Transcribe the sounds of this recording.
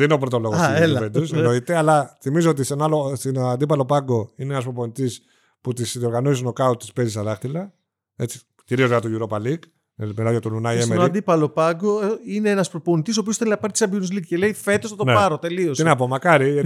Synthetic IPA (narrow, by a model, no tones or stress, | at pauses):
ðenino̞pɾo̞t̪oloɣɐselɐpend̪usnoit̪eɐlɐθimizoot̪isenɐlost̪inɐnd̪ip̬ɐlo̞pɐŋɡo̞ineenɐs̬pɾopo̞nit̪is | put̪isðio̞ɾɣɐnosisunokɐut̪t̪ːispezisɐðɐxt̪ilɐ | et͡si̥ | ciɾiozðkɐt̪oʝuɾopɐlik | melɐjot̪onunɐiesmeoɐd̪ipɐlo̞pɐɡoineenɐspɾoponit̪is̬opios̬t̪ellɐpɐɾt̪i̥sɐbinuzlikcele̞ife̞t̪osɐt̪onepɐɾot̪e̞liosinɐp̬omɐkɐɾi